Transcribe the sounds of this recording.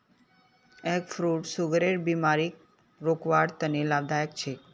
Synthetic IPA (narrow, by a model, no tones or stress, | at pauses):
ekfɾuʈsuɡɾeɾbimaɾik̚ | ɾokʋaɾt̪ənelabd̪ʱajək̚t͡ʃʰe